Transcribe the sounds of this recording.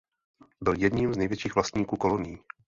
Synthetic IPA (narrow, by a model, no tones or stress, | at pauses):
bɪljɛdɲimznɛjvjɛt͡ʃiːxvlast̪ɲiːkuːko̞lo̞nɪji